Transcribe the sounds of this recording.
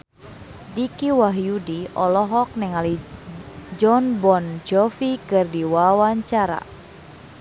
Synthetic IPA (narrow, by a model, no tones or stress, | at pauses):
dikiwaɦjudiɔlɔɦɔk̚nɛŋali | d͡ʒɔnbɔnd͡ʒɔfikɨrdiwawaɲt͡ʃaɾa̰